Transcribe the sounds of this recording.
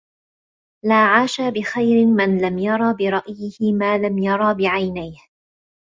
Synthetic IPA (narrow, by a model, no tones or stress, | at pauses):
laːʕaːʃaːbɪxajɾɪmɪnlamjɑɾˤɑːbɪɾˤɑʔjɪhɪmaːlamjɑɾˤɑbɪʕajnajh